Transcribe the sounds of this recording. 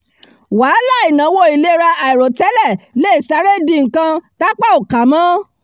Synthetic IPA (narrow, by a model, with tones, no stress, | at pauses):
waː˨˦la˦˨i˨nã˨˦wo˧˦i˨le˨˦ɾa˧ʔa˨i˨ɾo˨tɛ˦lɛ˦˨le˦i˦˨sa˧˦ɾe˦dĩ˧ŋ̩˨kã˧ta˦k͡pa˦˨o˨ka˨mã˦